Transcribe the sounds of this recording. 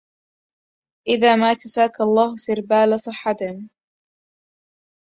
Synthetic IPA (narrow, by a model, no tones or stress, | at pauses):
ʔɪðaːmaːkasaːkɑlˤːɑːhʊsɪɾbaːlasˤɨħːɑt̪ɪm